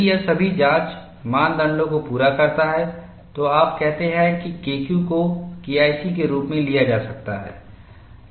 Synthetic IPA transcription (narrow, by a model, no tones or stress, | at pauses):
jɐsɐbʱid͡ʒãːt͡ʃ | mãːnd̪ɐ̃ɳɖõkopuːɾakɐɾt̪aɦɛ | t̪oaːp̚kɛɦt̪eɦɛ̃kikeːkjũkokiːaːɪsikeɾuːpmẽlijad͡ʒaːsɐk̚t̪a̰ɦɛ̰ː